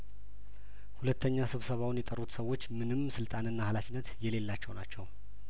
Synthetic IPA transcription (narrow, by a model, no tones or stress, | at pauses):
hulət̪ʰːəɲːasɨβsəβawʊnjɛt̪ʼərːut̪səwːo̞t͡ʃːmɨnɨmːsɨlt̪ʼanɨnːahalafinːət̪jɛle̞lːat͡ʃːɛwnat͡ʃːɛw